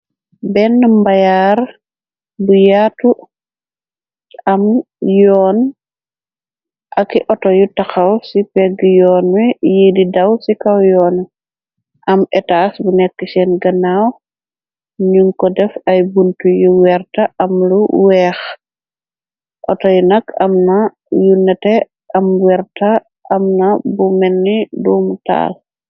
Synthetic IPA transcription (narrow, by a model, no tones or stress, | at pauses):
bɛnːəmbajaːɾ | bujaːtu | ɐm | jɔːn | ʔɐkiʔɔtɔjutɐxɐwsipɛɡjɔːnwɛjididɐwsikɐwjɔːn | ʔɐmɛtasbunɛkːisɛnɡɐnaːw | ɲuŋkɔdɛfɐjbuntujuwɛrtɐʔɐmluwɛːx | ʔɔtɔjunɐkɐmnɐ | junɛtɛ | ɐmwɛɾtaː | mnɐbumɛnːiduːmuta̰ːl